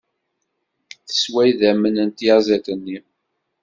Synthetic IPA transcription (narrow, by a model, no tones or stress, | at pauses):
θə̥swæjðæmənənt̪jazæθənːi